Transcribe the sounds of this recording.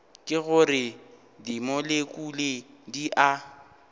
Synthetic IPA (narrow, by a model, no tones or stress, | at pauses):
kʼɪɣʊrɪ | dimolekʼulediʔa